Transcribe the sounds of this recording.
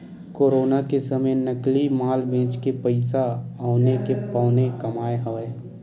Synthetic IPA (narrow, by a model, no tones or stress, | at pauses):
koːɾoːnakesəməjnəklimaːlbẽːt͡ʃkepəɪsaaʊnekepaːnekɐmaːeɦoeː